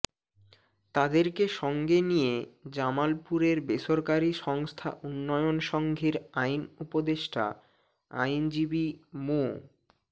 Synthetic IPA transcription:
t̪ad̪eɾkeʃɔŋɡenijed͡ʑamalpuɾeɾbeʃoɾkaɾiʃɔŋst̪ʰa̰ʔunːɔjonʃɔŋɡʱiɾajnupod̪eʃʈʰa̰ | a̰jnd͡ʑibimo

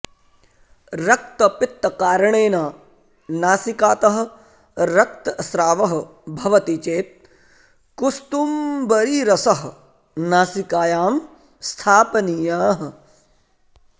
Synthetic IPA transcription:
ɾɐk̚t̪ɐpɪt̪ːɐkaːɾɐɳeːnaː | naːsikaːt̪ɐɦɐ̆ | ɾɐk̚t̪ɐsɾaːʋɐɦɐ̆bʱɐʋɐt̪it͡ʃeːt̪̚ | kust̪umbɐɾiːɾɐsɐɦ | naːsikaːjaːm | st̪ʰaːpɐnijaːɦ

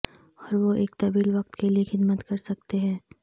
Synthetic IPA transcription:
ɔːɾʋoʔeːk̚t̪ɐbiːlʋɐq̚t̪keliexɪd̪mət̪kɐɾsɐk̚t̪eɦɛ̃ː

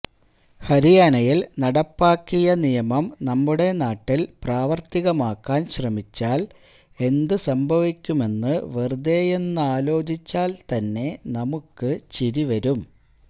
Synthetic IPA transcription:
hɐɾijaːnɐjilnɐɽɐpːaːkːijɐnijɐmɐmnɐmːuɽe̞naːʈːilpraːʋɐrt̪iɣɐmaːkːaːnɕrɐmit͡ɕːaːl | e̞nd̪ɨsɐmbʱɐʋikʲːume̞nːɨʋerd̪e̞ːje̞nːɨaːlo̞ːd͡ʑit͡ɕːaːlt̪ɐnːe̞nɐmukːɨt͡ɕiɾiʋɐɾum

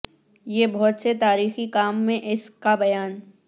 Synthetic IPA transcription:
jeːbɔɦːt̪set̪aːɾiːxikaːmːẽʔɪskabɐjaːn

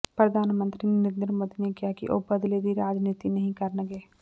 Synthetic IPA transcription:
pɾɐd̪ʱaːnmə̃nt̪ɾinnɪɾnd̪ɾmoːd̪inekijakḭʔoːbɐd̪led̪iɾaːd͡ʒniːt̪inɐɦĩkɐɾneɡeː

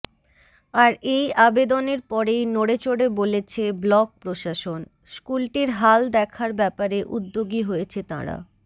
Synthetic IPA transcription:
aɾejabed̪oneɾpɔɾejnoɽet͡ɕoɽebolet͡ɕʰeblɔk̚pɾoʃaʃon | skulʈiɾɦald̪ɛkʰaɾbɛpaɾeʔud̪ːoɡiɦojet͡ɕʰet̪a̰ɾa̰

